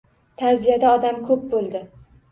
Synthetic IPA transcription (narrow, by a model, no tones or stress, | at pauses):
t̪ʰazijad̪aɒd̪amkʰɵp̚bolˠd̪ɪ